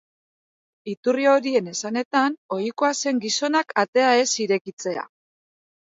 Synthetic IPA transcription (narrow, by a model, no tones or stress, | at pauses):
it̪urio̞ɾie̞ne̞sane̞t̪ano̞jiko̞ase̞ŋɡiso̞nakʰat̪e̞ae̞siɾe̞kit͡se̞a̰